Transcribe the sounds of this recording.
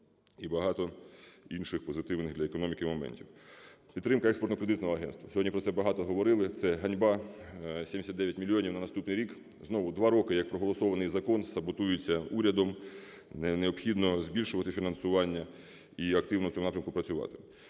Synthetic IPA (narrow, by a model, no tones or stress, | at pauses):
ibɐɦɑt̪ɔinʃɪxpɔzɪt̪ɪwnɪɣd̪lʲɐekɔnɔmʲikɪmɔmɛ̰nʲtʲiwpʲid̪t̪ːɾɪmkɐɛkspɔrt̪ɔkɾed̪ɪt̪nɔɦɔɐɦɛnst̪ʋɐsʲɔdʲɲʲipɾɔtsɛbɐɦɑt̪ɔɦɔʋɔɾɪlˠɪt̪sɛɦɐnʲbɑ | sʲemʲdʲɪsʲɐt̪d̪ɛʋʲjɐɛtʲmʲilʲijɔnʲiwnɐnɐst̪upnɪjɾʲik | znɔʋʊd̪ʋɑɾɔkɪjɐk̚pɾɔɦɔlˠɔsɔʋɐnɪjzɐkɔnsɐbɔt̪ujɪt͡sʲːɐuɾʲɐd̪ɔm | neɔpxʲid̪nɔzʲbʲilʲʃʊʋɐt̪ɪfʲinɐnsʊʋɑnʲːɐ | iɐkt̪ɪwnɔwt͡sʲɔmʊɑpɾʲɐmkʊpɾɐt͡sʲʊʋɑ̰t̪ɪ̥